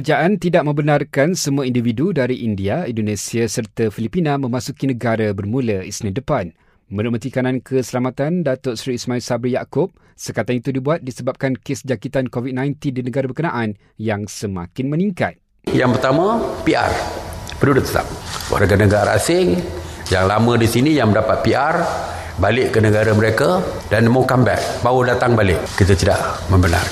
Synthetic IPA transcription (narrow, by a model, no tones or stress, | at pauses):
kərd͡ʒaʔant̪idaʔ̚mə̃mbənarkansəmũaindividudaɾiʔindiaindonẽsiasərt̪afilipinãmə̃masukinə̃ɡaɾabərmũlaḭsnĩdəpan | mə̃ɾumət̪ikanãnkʰəsəlamat̪andat̪ʊʔsɾiːsmãilsabɾijakʊp̚ | səkat̪anit̪udibuat̪̚disəbap̚kankesd͡ʒakit̪ankovit̪̚nãjnt̪indinəɡaɾabərkənaʔan | jaŋsəmã̰kɪnmə̃niŋka̰t̪̚ | jaŋpərt̪amãpia̰rpədudʊt̪̚səla̰p̚wa̰rɡanəɡaaɾa̰sɪŋ | jaŋlamə̃disinijaŋməndapat̪̚piʔar | balɪʔkənə̃ɡaɾaməɾeka | danmakambɛ̰t̚bawudat̪aŋbalɪʔkːit̪at̪ida̰ʔmə̃mbəna̰r